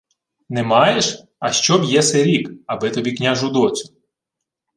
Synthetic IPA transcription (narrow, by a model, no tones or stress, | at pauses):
nɛmɑjeʃ | ɐʃt͡ʃɔbjɛsɛɾʲikɐbɪt̪ɔbʲiknʲaʒʊd̪ɔt͡sʲʊ̥